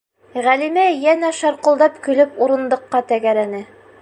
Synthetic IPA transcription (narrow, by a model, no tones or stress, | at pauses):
ʁælimæjænæʃɑɾqɤ̆lˠd̪ɑpkɵ̆lɘpuɾɤ̆nd̪ɤ̆qːɑt̪æɡæɾænɘ